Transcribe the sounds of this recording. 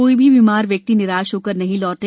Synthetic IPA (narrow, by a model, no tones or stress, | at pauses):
oːibʱiʋimaːɾʋjɐk̚t̪inɪɾaːʃoːkəɾnɐɦĩlɔːʈe